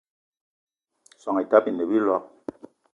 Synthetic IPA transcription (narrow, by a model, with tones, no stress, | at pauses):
sɔ˨ŋi˨ta˦pi˨ne˨bi˦lɔ˦k̚